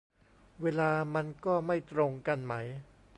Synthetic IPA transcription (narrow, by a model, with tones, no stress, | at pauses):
weː˧laː˧ma˧nkɔː˥˩ma˥˩jt̪ɾo˧ŋka˧nma˦˥j